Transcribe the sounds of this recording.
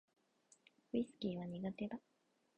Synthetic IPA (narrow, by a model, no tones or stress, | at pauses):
isɨ̥kʲiːβaɲ̟iɡat̪e̞d̪a